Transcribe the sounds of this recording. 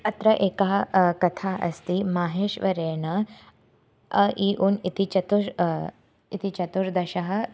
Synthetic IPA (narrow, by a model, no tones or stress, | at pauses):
ɐt̪ɾɐʔeːkaɦkɐt̪ʰaʔɐ̰st̪iːmaːɦeːʃʋɐɾeːnə | əiːʔuːnit̪it͡ʃɐt̪uɾ | it̪it͡ʃɐt̪uɾd̪ɐɕɐɦɐ